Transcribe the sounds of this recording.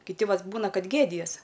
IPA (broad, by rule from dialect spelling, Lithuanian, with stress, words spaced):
kʲɪˈtʲɪ ˈʋɐt ˈbuːnɐ ˈkɐt ˈɡʲeːdʲɪjɛs